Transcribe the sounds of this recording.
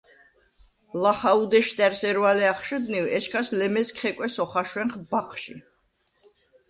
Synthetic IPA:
laχaud̪ɛʃt̪ʼɛɾsɛɾvalɛaχʃɛd̪niwɛʃkʰaslɛmɛskχɛkʼwɛsɔχaʃwɛnχbaχʰʃi

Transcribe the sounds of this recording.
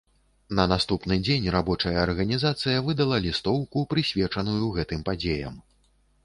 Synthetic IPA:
nɐnast̪upnɨd͡zʲenʲrabɔt͡ʂɐjɐːrɣɐnʲizat̪sɨjɐvɨd̪ɐlˠɐlʲist̪ɔwkupɾɨsʲvʲɛt͡ʂɐnujuɣɛt̪ɨmpad͡zʲejɐ̰m

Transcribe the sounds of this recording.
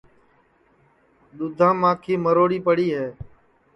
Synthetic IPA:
ɗ̪ʊd̪ʱãːmãːkʰiːməɾoːɽiːpəɽiːɦɛː

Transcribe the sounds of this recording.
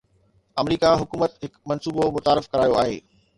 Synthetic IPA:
ɐmɾiːkaɦʊkuːmət̪ɦɪkmɐnsuːbomʊt̪aːɾɪfkɐɾaːjoa̰ːɦḛː

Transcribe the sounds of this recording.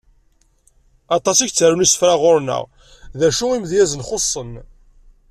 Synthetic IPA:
ɑt̪ˤɑsiçt͡sːəɾunisə̥fɾaʁʊɾnə̰ʁ | ðæʃuimðjæzənχosˤːən

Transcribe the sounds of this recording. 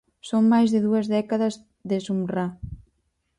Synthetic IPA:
soŋmajzðeðuɐzðɛkaðɐz | ðesumra

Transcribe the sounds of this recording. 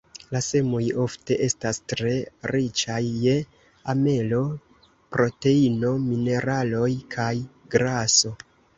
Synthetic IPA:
lase̞mujo̞fte̞ʔe̞stastɾe̞ɾit͡ʃajːe̞ | ame̞lo̞ | pɾo̞te̞ino̞mine̞ɾalo̞jkʰaj | ɡɾaso̞

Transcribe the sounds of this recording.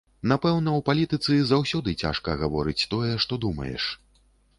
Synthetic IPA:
napɛwnɐwpalʲit̪ɨt̪sɨzawsʲɔd̪ɨt͡sʲa̰ʂkɐɣavɔɾɨt͡sʲt̪ɔjɛʂt̪ɔd̪umɐ̰jɛ̰ʂ

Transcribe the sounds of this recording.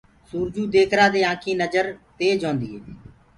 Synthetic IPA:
suːɾd͡ʒuːd̪eːkʰɾaːd̪eːãːkʰiːnəd͡ʒəɾt̪eːd͡ʒõːnd̪iːɦeː

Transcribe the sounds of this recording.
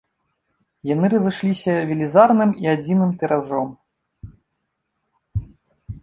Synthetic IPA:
janɨɾɐzɨʂlʲisʲɐvʲilʲizarnɨmiad͡zʲinɨmt̪ɛɾaʐɔm

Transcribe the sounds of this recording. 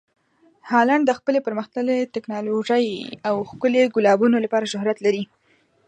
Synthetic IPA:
hɑlaɳɖ̚d̪əxpəlepəɾməxt̪əlet̪ɪknɑloʒəjawxkəleɡʊlɑbunolapɑɾaʃʊhɾat̪laɾi

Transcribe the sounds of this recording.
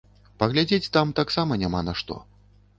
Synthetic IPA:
pɐɣlʲad͡zʲet͡sʲt̪amt̪aksamɐnʲamanɐʂt̪ɔ̰

